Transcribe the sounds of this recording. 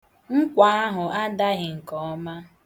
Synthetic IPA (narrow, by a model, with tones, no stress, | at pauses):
ŋ̩˦kʷa˨˦a˦ɦʊ˨ʔa˦da˦ɣɪ˨ŋ̩˨kɔ˨ɔ˦ma˦